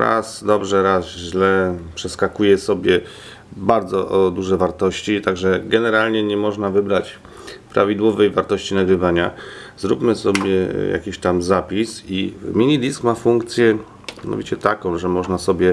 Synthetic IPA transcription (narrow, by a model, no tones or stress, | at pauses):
ɾa̰sd̪ɔbʐɛɾazʑlɛpʂɛskakujɛsɔbʲjɛ | baɾd̪zɔʔɔd̪uʐɛvaɾt̪ɔɕt͡ɕit̪aɡʐɛɡɛnɛɾalɲɛɲɛmɔʐnavɘbɾat͡ɕ | pɾa̰vʲid̪wɔvɛjvaɾt̪ɔɕt͡ɕinaɡɾɘvaɲazɾupmɘsɔbʲjɛja̰kʲiɕt̪amzapʲisimʲiɲid̪ʲiskmafuŋkt̪sʲjɛ | jja̰nɔ̰vʲit͡ɕɛt̪akɔ̃w̃ʐɛmɔʐnasɔbʲjɛ